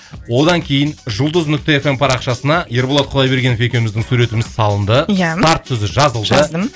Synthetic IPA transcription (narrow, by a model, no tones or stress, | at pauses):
wo̞d̪ɑŋkʲʰe̞jɪnʒʊlˠd̪əznʏk̚t̪e̞ːfe̞mpʰɑɾɑqʃɑsənɑjeɾbolˠɑt̪qʰlˠɑjbe̞ɾɡʲe̞nfʲe̞kʲe̞mɪzd̪ɪŋsuɾe̞t̪ɪmɪzsɑlˠənd̪əjaɑɾt̪sɵzɪʒɑzəlˠd̪əd̪əm